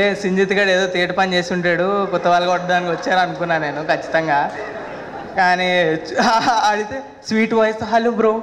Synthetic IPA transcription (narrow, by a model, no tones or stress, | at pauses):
esiɲd͡ʒit̪iɡaːɽeːd̪oːt̪eːʈɐpɐnt͡ʃe̞ːsiuɳʈaːɽukɔt̪ːɐʋaːlɐkɔʈːɐd̪aːnikʲiʋɐt͡ʃːaːɾɐnukunːaːne̞ːnukɐt͡ʃːi̥t̪ɐŋɡaː | kaːniaɐɽit̪eː | sʋiːʈʋɐjɐsɐɦɐlːumbɾoː